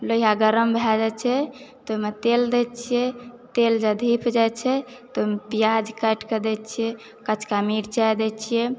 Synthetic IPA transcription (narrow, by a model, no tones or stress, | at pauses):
loijaɡəɾəmbʱɛd͡ʒɛt͡ʃʰɛt̪omet̪eld̪ɛt͡ʃʰijɛt̪eld͡ʒəd̪ʱipʰd͡ʒajt͡ʃʰɛ | t̪omepijad͡ʒkəʈked̪ɛt͡ʃʰijɛ | kət͡ʃʰkamiɾt͡ʃajd̪ɛt͡ʃʰijɛ